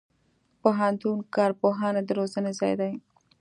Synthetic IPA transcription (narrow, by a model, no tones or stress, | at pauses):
poɦant̪unkɑɾpoɦɑnad̪əɾozənezɑ̰jd̪aj